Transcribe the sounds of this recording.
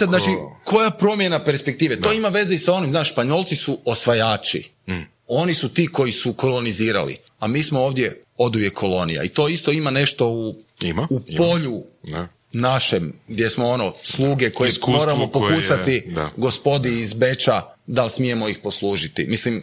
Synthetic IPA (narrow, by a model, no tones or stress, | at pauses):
ad̪naːt͡ʃiko̞japɾo̞mje̞nape̞ɾspek̚t̪iːʋe̞t̪o̞imaʋe̞zeisao̞nimznaːʃspaɲo̞lˠt̪sisuosʋajaːt͡ʃḭ | o̞nisut̪iːko̞jisuko̞lo̞niziːɾa̰lḭ | amiːsmooːʋd̪je̞o̞d̪uʋje̞kʰːo̞lˠo̞nḭja̰it̪o̞ːist̪o̞imane̞ʃt̪o̞uuppo̞ʎu | naʃemɡd̪ʲje̞smoo̞no̞slˠuːɡe̞ko̞jemo̞ːɾamopopusat̪iɡo̞spo̞d̪iːzbe̞t͡ʃa | d̪alsmije̞mo̞ixpo̞slˠuːʒit̪ḭmislim